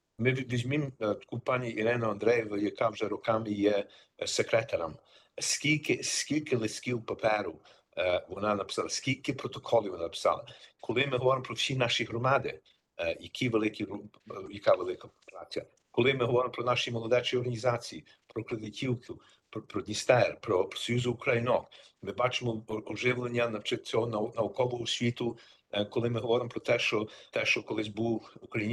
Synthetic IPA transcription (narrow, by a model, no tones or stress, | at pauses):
mɪʋʲizʲmimkupɑnʲiʔiɾɪnɐɐnd̪ɾɛjɪʋɐjɐkɑwʒɛɾɔkɑmɪjɛ | sekɾɛt̪ɐɾɐm | skʲilʲkɪskʲilʲkɪlˠɪsʲkʲiwpɐpɛɾʊ | ʋɔnɑnɐpɪ̥sɑlˠɐskʲilʲkɪpɾɔt̪ɔkʰɔlʲˠiʋɔnɑnɐpɪ̥sɑ̰lˠɐ̰kʰɔlˠɪmɪɦɔʋɔɾɪmpɾɔwsʲinɑʃiɦɾɔmɑd̪ɪ̰ | jɐkʰʲiʋelˠɪkʲiɾujɐkɑʋelˠɪkɐpɾɑ̰tʲɐ̰ | kɔlˠɪmɪɦɔʋɔɾɪmɔpɾɔnɑʃijmɔlˠɔd̪ɛt͡ʃɔjɔɾrɦɐnʲizɑt͡sʲiji | pɾɔkɾed̪ɪtʲʰiwkʊ | ppɾɔd̪ʲnʲist̪ɛrpɾɔpsɔjuzʊːkɾɐjnɔk | mɪbɑt͡ʃɪmɔɔʒɪʋlˠenʲːɐnɐt͡ʃɪt͡sʲɔɦɔnɐnɐɔkɔlˠʊʊsʲʋʲit̪ʊ | kɔlˠɪmɪɦɔʋɔɾɪmɔpɾɔt̪ɛʃt͡ʃɔt̪ɛʃt͡ʃɔkɔlˠɪs̬ʲbuwukɾɐji